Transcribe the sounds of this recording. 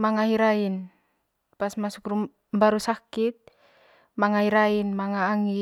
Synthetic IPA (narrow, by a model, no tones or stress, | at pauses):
maŋaɦiɾain | pasmasukɾu | mbaɾusakit̪̚ | maŋahiɾainmaŋaːŋi